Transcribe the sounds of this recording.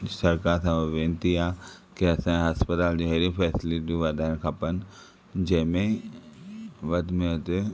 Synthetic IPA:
sɐɾkaːɾsãʋẽːnt̪iaːkeɐsãɦaspət̪aːld͡ʑiɦeɾĩpʰɛːsliʈiʋad̪aːnkʰapən | d͡ʑɐmẽ | ʋɐd̪mẽt̪e

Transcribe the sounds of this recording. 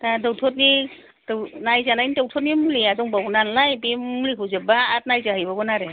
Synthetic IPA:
tadɔwtʰɔtni | dnajzanajnidɔwtʰɔt̬̚nimuliazɔŋbawnanlajbimuliɦɯzebaːt̚najzaɦɯjbɔbɔnaɾe

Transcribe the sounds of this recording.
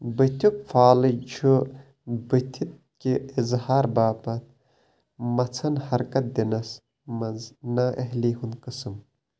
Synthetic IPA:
bɨt̪ʲʰuk̚faːlɨd͡ʒʰu | bɨt̪ʲʰit̪̚ | kiizhaːɾbaːpɐt̪̚ | mɐt͡sʰɐnhɐɾkɐt̪̚d̪inɐs | mɐznaʔɐɦliːɦunkɨsɨm

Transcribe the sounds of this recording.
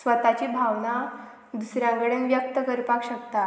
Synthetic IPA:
sʋət̪at͡ɕiːbʱaʋna | d̪usɾjãŋɡəɽenʋjək̚t̪əkəɾpakɕək̚t̪a

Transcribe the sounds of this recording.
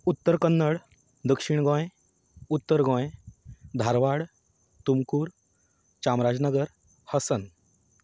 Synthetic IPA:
ut̪ːəɾkənːəɽ | d̪əkʂiɳɡɔ̃j | ut̪ːəɾɡɔ̃jd̪ʱaɾʋaɽ | t̪umkuːɾ | t͡ɕamɾad͡znəɡəɾ | həsən

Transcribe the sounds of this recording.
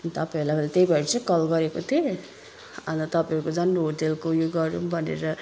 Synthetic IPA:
nt̪ʌpauɾlaɡlet̪ejbʌɾt͡sʰʌkʌlɡʌɾekot̪ʰi | ʌ̰nt̪ʌt̪ʌpauɾkod͡zʌnɦoʈelkojoɡʌɾũbʱʌnḛɾʌ

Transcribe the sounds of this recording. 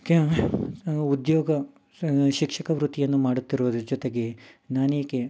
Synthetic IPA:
ke | ud̪joːɡɐ | ʃikʂɐkɐʋɾut̪ijɐnːumaːɽut̪ːiɾoːd̪ud͡ʒɔt̪e̞ɡenaːneːke

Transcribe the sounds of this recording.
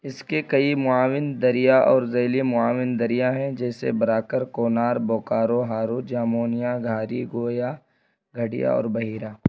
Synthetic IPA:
ɪskekɐimʊaːʋɪnd̪ɐɾijaʔɔːɾzeːlimʊaːʋɪnd̪ɐɾijaɦɛ̃d͡ʒɛːsḛbɐɾaːkəɾkoːnaːɾbɔːkaːɾoɦaːɾod͡ʒaːmoːnijaɡʱaːɾiɡoːjaː | ɡʱɐɽija̰ɔ̰ːɾbɐɦiːɾaː

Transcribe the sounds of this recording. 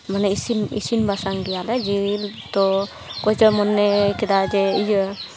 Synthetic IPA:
manɛisinḭsinbasaŋɡijalɛd͡ʒilt̪ɔ | kɔd͡ʒɔmɔnːɛkid̪ad͡ʒɛijə

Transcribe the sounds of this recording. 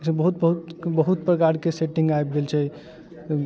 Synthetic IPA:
sẽbəɦut̪̚bəɦut̪bəɦut̪̚pɾəkaɾkeseʈiŋɡajb̚ɡelt͡ʃʰɛ

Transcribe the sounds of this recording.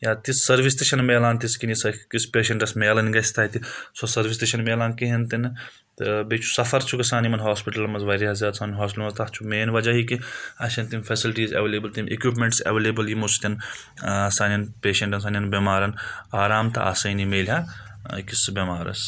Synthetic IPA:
jaːt̪issɐɾʋis̬t̪iʃɐnmeːlaːnt̪iskinisɐkispeːʃɐɳʈɐsmeːlɐnɡɐsʰʲt̪ʰɐːt̪isosɐɾʋist̪eʃɐnmeːlaːnkiɦɐnt̪in | t̪ɨbeːt͡ʃʰu̥sɐfʰɐɾt͡ʃʰukɐsaːnimɐnɦaːspiʈɐlmɐzʋɐɾiɦɐzat̪saːnɐnɦaːspilmɐzt̪ɐtt͡ʃʰumeːnʋɐd͡ʒɐɦikiɐʃɐnt̪infʰɐsilʈiːzɐ̰ʋeːleːbɐlt̪imʲʔḛkip̬meɳʈsɐ̰ʋeːleːbɐljimust̪in | saːnʲjɐnpeːʃẽɳʈɐns̬ɐːnʲɐnbʲimaːɾɐnaːɾaːmt̪ɐ̰ʔɐ̰sɐjnimeːlʲɦa | kisbʲɐmaːɾɐ̰s

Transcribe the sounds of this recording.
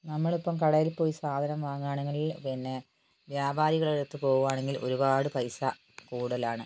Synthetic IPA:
nɐmːɐɭopːɐmkɐɽɐjilpo̞ːjisaːd̪ʱɐnɐmʋaːŋːaːɳɐŋːɐɭilpinːe | ʋjaːbʱaːɾiɣɐɭeɽɐt̪ːɨpo̞ːɣuʋaːɳe̞ŋɡilʔo̞̰ɾubaːɽɨpɐjsɐ | kuːɽɐlaːɳɨ

